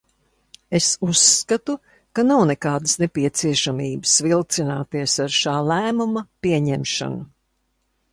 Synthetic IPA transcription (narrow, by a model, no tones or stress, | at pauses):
esusːkat̪u | kanawnekaːd̪ɨsnepiɛt̪siɛʃamiːbɨsvilˠt̪sinaːt̪iɛsaɾʃaːlæːmumɐpiɛɲɛmʃa̰nu